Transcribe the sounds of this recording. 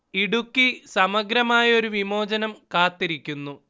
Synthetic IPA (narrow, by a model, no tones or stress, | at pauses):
iɽukːisɐmɐɡɾɐmaːjɐo̞ɾuʋimo̞ːd͡ʑɐnɐmkaːt̪ːiɾikʲːunːu